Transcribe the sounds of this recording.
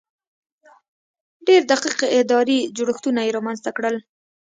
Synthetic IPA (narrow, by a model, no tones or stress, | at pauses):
ɖeɾd̪aqiqeɪd̪ɑɾid͡ʒoɽəxt̪unajeɾɑmanzt̪akɽəl